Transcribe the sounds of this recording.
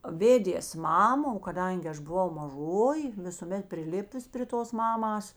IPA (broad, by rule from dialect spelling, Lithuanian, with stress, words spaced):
ˈʋʲeːdʲeːs ˈmɑːmɐ oː kɐˈdɐŋʲɡʲɪ ˈɐʃ bʊˈʋɐʊ mɐˈʒoːjɪ ʋʲɪsʊˈmʲɛt pʲrʲɪˈlʲɪpʊs pʲrʲɪ ˈtoːs ˈmɑːmɐs